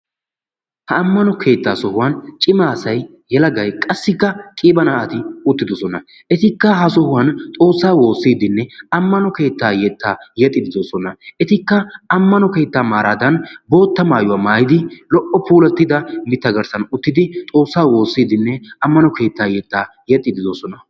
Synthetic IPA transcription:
hɐɐmːɐnɔkʰe̞ːt̪ːaːsɔhʊwɐnt͡ʃʼɪmaːsɐj | jɛlɐɡɐjkʼɐsːɪkːɐkʼiːbɐnaːʔɐt̪ɪʊt̪ːɪd̪ɔsɔnɐ | ɛt̪ɪkːɐhɐsɔhʊwɐnt̪ʼo̞ːsːaːwo̞ːsːiːd̪ɪnːɛɐmːɐnɔke̞ːt̪ːaːjɛt̪ːaːjɛt̪ʼːɪd̪ɪd̪osɔnɐʔɛt̪ɪkːɐɐmːɐnɔke̞ːt̪ːaːmaːɾaːd̪ɐnbo̞ːt̪ːɐmaːjʊwaːmaːjɪd̪ɪlɔʔɔpʰuːlɐt̪ːɪd̪ɐmɪt̪ːɐɡɐɾsɐnʊt̪ːɪd̪ɪt̪ʼo̞ːsːaːwo̞ːsːiːd̪ɪnːɛɐmːɐnɔke̞ːt̪ːaːjɛt̪ːaː | jɛt̪ʼːɪd̪ɪd̪osɔnɐ

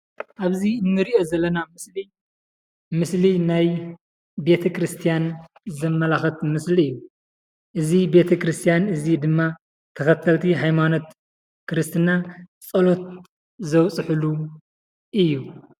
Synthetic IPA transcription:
ʔaβziɨnːɨɾiʔo̞zɐlːɐnamɨsli | mɨslinaj | be̞t̪ʰɐkɾɨst̪ʰijan | zɐmːɐlaxɐt̪mɨsliɨjːu | ʔɨzibe̞t̪ʰɐkɾɨst̪ʰijanɨzid̪ɨmːa | t̪ʰɐkɐt̪ʰːɐlt̪ʰiɦajmano̞t̪ | kɾɨst̪ʰɨnat͡sʼɐlo̞t̪̚ | zɐwt͡sʼɨħɨlu | ʔɨjːu

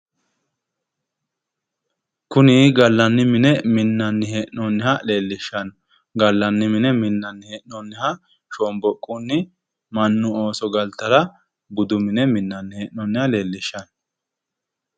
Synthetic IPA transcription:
kʊniːɡɐlːɐnːɪmɪnɛmɪnːɐnːɪheʔnɔnːɪhɐle̞ːlːɪʃːɐn | ɡɐlːɐnːɪmɪnɛmɪnːɐnːɪheːʔnɔnːɪhɐ | ʃoːmbɔkʼːunːɪ | mɐnːʊoːsɔɡɐlt̪ːɐɾɐ | bʊd̪ʊmɪnɛmɪnːɐnːɪheːʔnɔnːɪhɐle̞ːlːɪʃːɐn

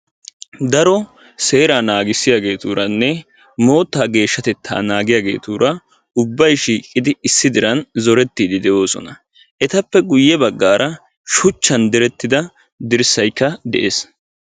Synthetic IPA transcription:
d̪ɐɾɔ | se̞ːɾaːnaːɡɪsːɪjaːɡe̞ːt̪uːɾɐnːɛ | mo̞ːt̪ːaːɡe̞ːʃːɐt̪ɛt̪ʰːa̰ːnaːɡɪjaːɡe̞̰ːt̪uːɾɐ | ʊbːɐjʃiːkʼːɪd̪ɪɪsːɪd̪ɪɾɐnzɔɾɛt̪ːiːd̪ɪd̪ɛʔo̞ːsɔ̰nɐ | ʔɛt̪ɐpːɛɡʊjːɛbɐɡːaːɾʔɐ | ʃʊt͡ʃːɐnd̪ɛɾɛt̪ːɪd̪ɐ | d̪ɪɾsɐjkːɐd̪ɛ̰ʔeːs

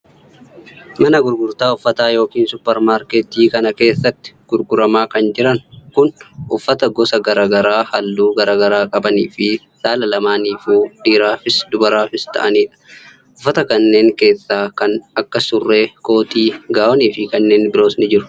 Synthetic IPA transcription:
mɐnɐɡʊɾɡʊɾt̪aːʊfːɐt̪aːjo̞ːkiːnsʊpːɛɾmaːɾket̪iːkɐnɐke̞ːsːɐt̪ːɪ̥ɡ̥ʊɾɡʊɾɐmaːkɐnd͡ʒɪɾɐnkʊnʔʊfːɐt̪ɐɡɔsɐɡɐɾaːɡɐɾaːhɐlːuːɡɐɾaːɡɐɾaːkʼɐbɐniːfɪ | saːlɐlɐmaːniːfuːdiːɾaːfɪsd̪ʊbɐɾaːfɪst̪ɐ̰ʔɐniːᶑɐ̥ | ʔʊfːɐt̪ɐkɐnːe̞ːŋke̞ːsːaːkɐnɐkːɐsʊrːe̞ːko̞ːt̪iːɡaːʔɔniːfɪkɐnːe̞ːnbɪɾo̞ːsnɪd͡ʒɪɾʊ̥

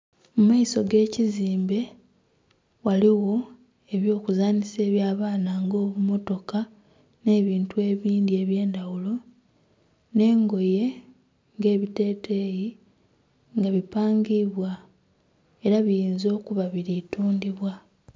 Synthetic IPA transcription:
mumaisoɡe̞ːciziːmbe̞ | waliwo̞ | e̞βjo̞ːkuzaːnise̞ːβjaːβaːnaŋɡo̞ːβumo̞to̞ka | ne̞ːβiːntue̞ːβiːndie̞βje̞ːndawulo̞ | ne̞ːŋɡo̞je̞ | ŋɡe̞ːβite̞ːtʰe̞ːji | ŋɡaβipaːŋɡiβwa | e̞ɾaβijiːnzo̞ːkuβaβiɾituːndiβwa

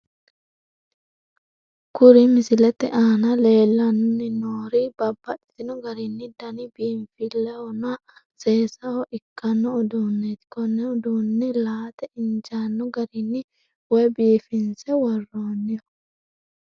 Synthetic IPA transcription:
kʊɾɪmɪsɪlɛt̪ːɛʔaːnɐle̞ːlːɐnʊnɪnoːɾɪb̥ɐbːɐᶑɪ̥t̪ɪnɔɡɐɾɪnːɪd̪ɐnɪbiːɱfɪlːɛwɔna | seːsɐwɔʔɪkːɐnːɔɔd̪uːnːet̪kɔnːɛʊd̪unːɛlaːt̪ɛɪnd͡ʒanːɔɡɐɾɪnːɪ | wɔjbiːfɪnsɛwɔrːoːnːɪjɔ

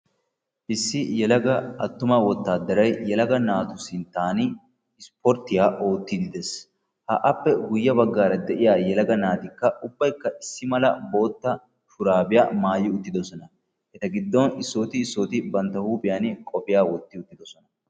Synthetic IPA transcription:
ʔɪsːɪjɛlɐɡɐɐt̪ːʊmɐwɔt̪ːaːd̪ːɐɾɐjjɛlɐɡɐnaːt̪ʊsɪnt̪aːnɪ | ɪspɔɾt̪ːɪjaːʔo̞ːt̪ːɪd̪ɪd̪ɛs | hɐ̰ʔɐpːɛɡʊjːɐbɐɡːaːɾɐd̪ɛʔɪjaːjɛlɐɡɐnaːt̪ɪkːɐʊbːɐjkːɐʔɪsːɪmɐlɐbo̞ːt̪ːɐ | fʊɾaːbɪjaːmaːjːɪʊt̪ːɪd̪ɔsɔnɐ | hɛt̪ɐɡɪd̪ːɔnɪsːoːt̪ɪːsːoːt̪ɪbɐnt̪ːɐhuːbʼɪjaːnkʼɔpɪjaːwɔt̪ːɪʊt̪ːɪd̪ɔsɔnɐ

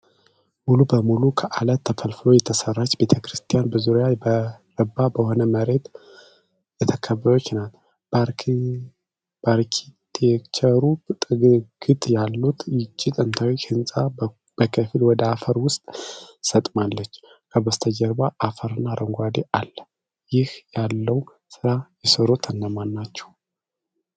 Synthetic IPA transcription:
mulubəmulukʰəʔalət̪ʰːəfəlflo̞jɛt̪ʰəsərːat͡ʃːbe̞t̪ʰəkɾɨst̪ʰʼijanbəzuɾjabəɾəbːabəho̞nəməɾe̞t̪ | jɛt̪ʰəkʰəβːəjot͡ʃːnat̪ | baɾkʰit̪ʰekt͡ʃʰəɾu | ɡ̥ɨt̪ʼjalːut̪ʰjɪt͡ʃːit̪ʼənt̪ʰawihɨnsʼa | b̥əkʰəfilwɔd̪əafəɾwʊst̪ʼsət̪ʼmalːət͡ʃː | kʰəbəst̪ʰəd͡ʒəɾbaʔːfəɾɨnːaɾʔəŋɡʷad̪eʔalːə | jɪhjalːəw | sɨɾajɛsəɾot̪ʰənːəmanːat͡ʃːɛ̥w

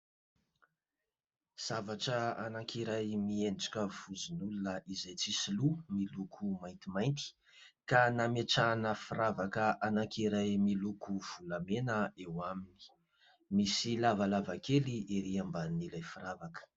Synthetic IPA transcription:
z̥avaʈ͡ʂəa̰nakiɾajmienɖ͡ʐḁkʲəv̥uzinulunəizajt͡sisilumilukʰumajnt̪imajnt̪i̥ | kanameʈ͡ʂanəfiɾavakəanakiɾajmilukuv̥ulamenəewamini̥ | misilavalavakeliʔiɾiambanilajfiɾavakə̥

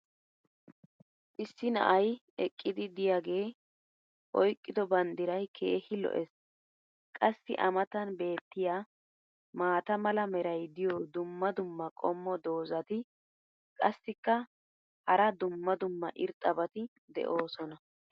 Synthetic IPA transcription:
ʔɪsːɪnɐ̰ʔɐj | ɛkʼːɪd̪ɪd̪ɪjaːɡe̞ː | ʔɔjkʼːɪd̪ɔbɐnd̪ɪɾɐjkʰe̞̰ːhɪlɔ̰ʔɛs | kʼɐsːɪ̰ʔɐmɐt̪ɐnbe̞ːt̪ːɪjaː | maːt̪ɐmɐlɐmɛɾɐjd̪ɪjɔd̪ʊmːɐd̪ʊmːɐkʼɔmːɔd̪o̞ːzɐt̪ɪ | kʼɐsːɪkːɐ | hɐɾɐd̪ʊmːɐd̪ʊmːɐ̰ʔɪɾt̪ʼːɐbɐt̪ɪ | d̪ɛ̰ʔo̞ːsɔnɐ

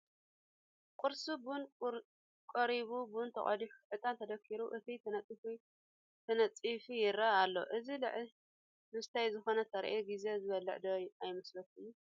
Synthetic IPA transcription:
kʼʊɾsubun | kʼɐɾiβubunt̪ʰɐkʼɐ̰d̪iħu̥ħɨt̪ʼant̪ʰɐd̪ɐkʰːiɾuʔɨt̪ʰit̪ʰɐnɐt͡sʼifi | t̪ʰɐnɐt͡sʼifijɪɾɐalːo̞̰ʔɨzilɨ̰ʕ | lɨst̪ʰajzɨxo̞nɐt̪ʰɐɾ̰ʔeɡize̞zɨβɐlːɨ̰ʕd̪ɐjajmɐslɐt̪ʰuj

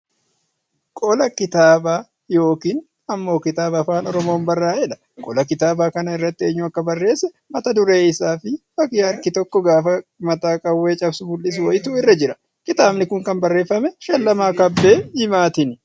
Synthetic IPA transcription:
kʼɔlɐkɪt̪aːbaː | jo̞ːkiːn | ɐmːo̞ːkɪt̪aːbɐːfaːnɔɾɔmo̞ːnbɐrːaːɛᶑɐ̥ | kʼɔlɐkɪt̪aːbaːkɐnɐɪrːɐt̪ːɪe̞ːɲːʊɐkːɐbɐrːe̞ːsːɛ | mɐt̪ɐd̪ʊɾe̞ːɪsaːfɪfɐkjɐɾkɪt̪ɔkːɔɡaːfɐmɐt̪aːkʼɐwːeːt͡ʃʼɐbsʊbʊlːɪs̬ʊwɔjɪt̪uːɪrːɐd͡ʒɪɾɐ̥ | kɪt̪aːbnɪkʊŋkɐnbɐrːe̞ːfːɐmɛʃɐlːɐmaːkɐbːe̞ːhɪmaːt̪ɪnɪ

